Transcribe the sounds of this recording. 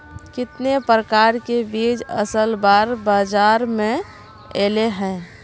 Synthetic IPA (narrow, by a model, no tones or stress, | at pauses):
kɪt̪nepɾəkaːɾkebiːd͡ʒə̰səlbaːɾbaːd͡ʒaːɾmẽ | eːleɦɛ̃ː